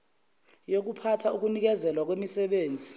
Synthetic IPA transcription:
jok̬upʰatʰauk̬unik̬ɛzɛlwak̬wemisɛɓeːnd͡zʱi

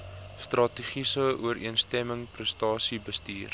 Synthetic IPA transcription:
st̪rɑtiχisəuəɾiənstɛməŋprəstɑːsibəstiːr

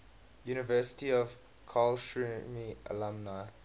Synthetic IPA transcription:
juːnɪvɜˑsɪ̥tiɔv | kʰalʃɹumiə̰lãmnaɪ

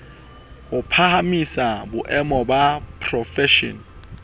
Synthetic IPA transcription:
ʊpʰahamisabʊʔɛmɔbapʰrɔfɛʃɔ̰n

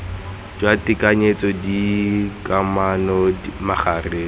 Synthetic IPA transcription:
d͡ʒwatɪkaɲet͡sɔdikamanɔmaχareː

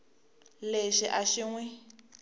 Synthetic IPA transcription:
leʃiʔaʃiŋwɛ

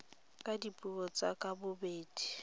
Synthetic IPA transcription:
kʼadipʼuɔt͡sʼakʼabʊbeːdi̥

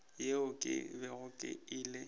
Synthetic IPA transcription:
jeʊkʼɪ̰bɛɣʊkʼɪ̰ɪːlɪ

